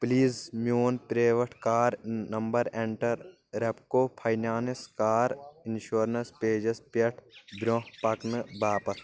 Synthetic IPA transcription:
pliːzmjoːnpɾeːʋɐʈʰkaːɾnɐmbɐɾẽɳʈɐɾ | ɾepkoːpʰaːjnaːneskaːɾɪnʃoːɾnɐspeːd͡ʒespeʈʰbɾõɦpɐknɨbaːpɐs

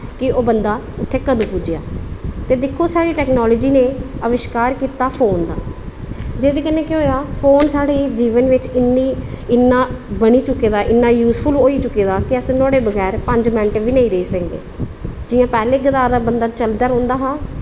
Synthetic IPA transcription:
kɪoːbənd̪aːʊt̪ʰːeːkəd̪ũːpʊd͡ʒɪja̰ːt̪eːd̪ɪkʰːoːsaːɽiːʈɛːknaːloːd͡ʒiːneːəʋɪʃkaːɾkiːt̪aːpʰoːnd̪a̰ː | d͡ʒeːd̪eːkənːeːkɪɦoːjaːpʰoːnsaːɽeːd͡ʒiːʋənʋɪt͡ʃɪnːiːɪnːaːbəɽiːt͡ʃʊkːeːd̪aːʔɪnːaːjuːspʰʊloːiːt͡ʃʊkːeːd̪aːkɪəsnɔːɽeːbəɡɛːɾpəɲd͡ʒmɛ̃ɳʈʋiːnəiːɾəiːsəŋɡḛːd͡ʒɪjãːpɛːleːɡət̪aːd̪aːbənd̪aːt͡ʃəld̪əɾɦɔ̃ːnd̪aːɦãː

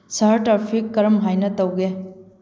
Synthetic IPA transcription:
sɐɾtɾapʰikːɐɾɐmɦajnɐtɐwɡe

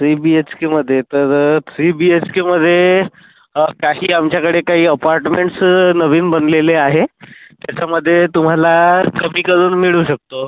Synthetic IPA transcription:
sibiet͡ɕkiməd̪ʱːjet̪əɾsibiet͡ɕkiməd̪ʱːje | kaɦiːamt͡ɕjakəɽekaɦiːəpaɾʈmeɳʈsnəʋiːnbənleleaɦet̪jat͡ɕaməd̪ʱːjet̪um̤alakəmiːkəɾuːnmiɭuːɕək̚t̪o

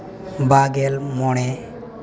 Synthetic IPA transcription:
baɡɛlmɔɽ̃ɛ

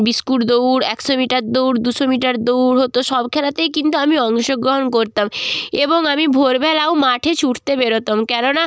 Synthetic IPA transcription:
biskuɾd̪owɾɛkʃomiʈaɾd̪owɾd̪uʃomiʈaɾd̪owɾɦot̪oʃɔbkʰɛlat̪ejkint̪uamiɔŋʃoɡɾoɦonkoɾt̪ameboŋamibʱoɾbʱɛlawmaʈʰet͡ɕʰuʈʰt̪ebeɾot̪omkɛnona

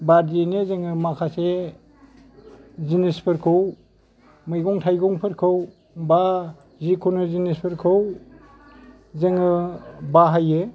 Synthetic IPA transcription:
badenezeŋɯmakʰase | zinispʰɯɾkʰɯw | mɯjɡɔŋtʰajɡɔŋpʰɯɾkʰɯw | ba | zikʰonɯzinispʰɯɾkʰɯw | zeŋɯbaɦajɯ

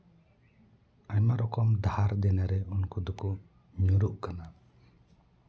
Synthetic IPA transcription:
ajmaɾɔkɔmd̪ahaɾd̪ɛnaɾɛunkɔd̪ɔku | ɲuɾuʔkana

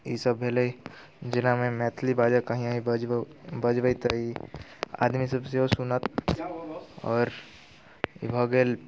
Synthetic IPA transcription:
isəbːeləi | d͡ʒɪnamẽmɛːt̪ʰlibaːd͡ʒakəɦĩaːɦi | bəd͡ʒbəit̪əi | a̰ːd̪misəbseɦosunət̪ | ɔːɾ | bʱəɡeːl

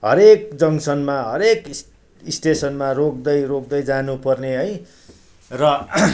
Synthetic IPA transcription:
ɦʌ̰ɾek̚d͡zʌŋsʌnmaɦʌɾeks | isʈesʌnmarok̚d̪ʌjrok̚d̪ʌjd͡zanupʌrneɦʌj | rʌ

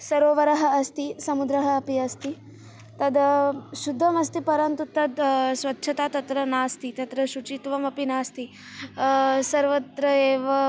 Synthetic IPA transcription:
sɐɾoːʋɐɾɐɦɐ̆ɐst̪isɐmud̪ɾɐɦɐːpiɐst̪i | t̪ɐd̪ʃud̪ʱːɐmɐst̪ipɐɾɐnt̪ut̪ːɐd̪sʋɐtːʃʰɐt̪aːt̪ɐt̪ɾɐnaːst̪it̪ɐt̪ɾɐʃut͡ʃit̪ʋɐmɐpinaːst̪i | sɐɾʋɐt̪ɾɐeːʋɐ

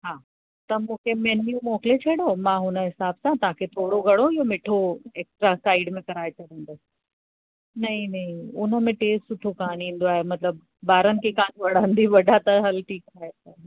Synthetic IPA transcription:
ɦaː | t̪ɐmũːkʰemeːnjumɔːkɪlet͡ɕʰɐɽomãɦʊnə̆ɦɪsaːbsãt̪ɐʋãkʰet̪ʰoːɽoɡʱɐɽoɪɦomeːʈʰoeːksʈɾasaːɪɖmẽkɐɾaːet͡ɕʰɐɽ̃n̆d̪oːs | nɐĩnɐɦĩʊnə̆mẽʈeːsʈsʊʈʰokaːnĩːn̆d̪oaːɦemɐt̪ləb | baːɾənɪ̆kʰekaːnʋɐɽ̤ãnd̪iʋɐɖʱat̪ɐɦɐlʈʰiːkaːeta

